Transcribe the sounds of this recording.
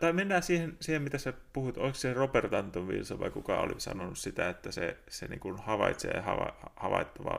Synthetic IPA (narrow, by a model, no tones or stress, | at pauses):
t̪ɑimenːæːsiːhensiːhemit̪æssepuhut̪ʔoiksseropert̪ɑnt̪onʋḭlsoʋɑ̰ikukɑo̰lissɑ̰nonussit̪æet̪ːæsesḛnḭːŋkunhɑʋɑit̪sḛːhɑʋɑhhɑʋɑ̰it̪ːɑʋɑ̰ː